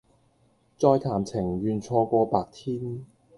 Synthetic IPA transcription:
t͡sɔː˧jt̪ʰaː˨˩mt͡sʰɪ˨˩ŋɥyː˨˧nt͡ʃʰɔː˧kʷɔː˧paː˧k̚t̪ʰiː˥n

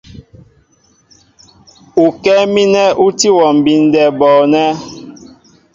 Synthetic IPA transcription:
u˨kɛ˦mi˦nɛ˦ʔu˦ti˦wɔ˨m̩˨bi˨n̩˦dɛ˨bɔ˨nɛ˦

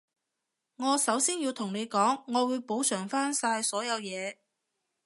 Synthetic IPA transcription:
ŋɔː˨˧sɐ˨˥wsiː˥nji˧wt̪ʰʊ˨˩ŋne˨˧jkɔː˨˥ŋːɔː˨˧wuː˨˧jpo˨˥wsœː˨˩ŋfaː˥nsaː˧jsɔː˨˥jɐ˨˧wjɛː˨˧

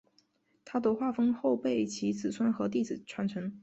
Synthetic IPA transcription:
t̪ʰa˥t̪ə˧˥xwa˥˩fɤ˥ŋxo˥˧ʊpe˥˩ɪt͡ɕʰi˧˥t͡sɹ̩˨˩swa˥nxɤ˧˥t̪̬i˥˩d͡zɹ̩˨˩ʈ͡ʂʰwa˧˥nʈ͡ʂʰɤ˧˥ŋ

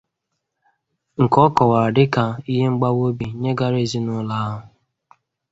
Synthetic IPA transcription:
ŋ̩˨kɔ˦kɔ˨wa˨ɾa˨dɪ˦ka˨i˦ɦe˦ŋ͡m̩˦ɡ͡ba˦wo˦bi˨ɲe˦ɡa˦ɾe˦˨zi˦nʊ˦la˦ɦʊ˨

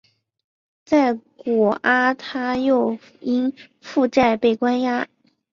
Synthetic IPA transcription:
t͡sa˥˩ɪkwɔ˨˩ʔa˥t̪ʰa˥jo˥˧ʊ | i˥n | fu˥˧ʈ͡ʂa˥˧ɪpe˥˩ɪkwa˥nja˥

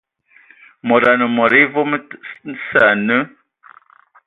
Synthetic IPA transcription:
mɔ˨ɾa˨nə˨mɔ˨ɾi˦vo˦m˦sa˨nə˦

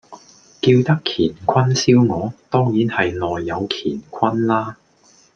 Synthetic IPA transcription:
kiː˧wt̪ɐ˥kʰiː˨˩nkʷʰwɐ˥nsiː˥wŋɔː˨˧t̪ɔː˥ŋjiː˨˥nhɐ˨jnɔː˨jːɐ˨˧wkʰḭː˨˩nkʷʰwɐ˥nlaː˥

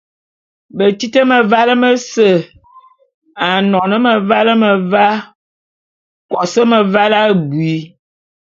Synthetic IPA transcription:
bə˨ti˦tə˦mə˨va˦lə˦mə˦sə˨ | a˨nɔ˨nə˦mə˨va˦lə˦mə˨va˦ | kɔ˨sə˦mə˨va˦la˦ɡwi˨˦

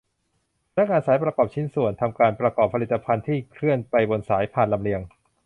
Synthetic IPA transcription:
na˦˥k̚ŋaː˧nsaː˩˦jpɾa˧kɔː˨˩p̚t͡ɕʰi˧˥nsu˨˩ənt̪ʰa˧mkaː˧npɾa˧kɔː˨˩pʰːa˧li˨˩t̪ːa˧pʰa˧nt̪ʰiː˥˩kʰɾɯ˥˩ənpa˧jbo˧nsaː˩˦jpʰaː˨˩nla˧mɾi˧əŋ

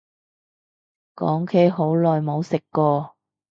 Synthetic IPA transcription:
kɔ̰ː˨˥ŋkʰe˥ɦo˨˥wlɔː˨jmo˨˧wsɪ˨kːɔː˧

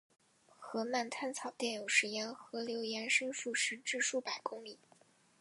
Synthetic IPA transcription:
xɤ˧˥ma˥˩nt̪ʰa˥nt͡sʰɑ˨˩ʊt̪jɛ˥˩njo˨˩ʊʂɻ̩˧˥jɛ˧˥nxɤ˧˥ljo˧˥ʊjɛ˧˥nʂɤ˥ŋʂu˥˩ʂɻ̩˧˥ʈ͡ʂɻ̩˥˧ʂu˥˩pa˨˩ɪkʊ˥ŋli˨˩˦

